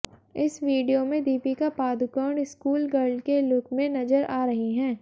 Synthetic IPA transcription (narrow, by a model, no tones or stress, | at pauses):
ɪsʋiːɖijomẽd̪iːpikapaːd̪ʊkəːɳɖɪskuːlɡɐɾɖkelʊkmẽnɐzəɾaːɾɐɦiɦɛ̃ː